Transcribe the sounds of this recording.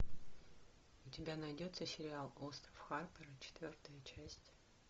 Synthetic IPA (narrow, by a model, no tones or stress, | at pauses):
ʊtʲɪbʲanɐjdʲo̞t̪səsʲɪɾʲɪalˠost̪ɾəfxarpʲəɾət͡ɕɪ̥t̪vʲo̞rt̪əjət͡ɕæsʲtʲ